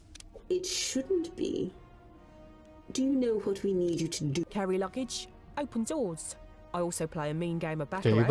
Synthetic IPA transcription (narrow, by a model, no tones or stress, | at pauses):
ɪtʃʊdⁿn̩b̥ḭ | d̥ɨjənoʊwʌt̚winid͡ʒɨtʰədɨkʰaɹilʌɡɪ̥d͡ʒ | əʊpʰə̃ndɔːz̥ | aɪɔˑlˠsəʊpʰl̥eɪəmĩːnɡẽɪ̃məbatə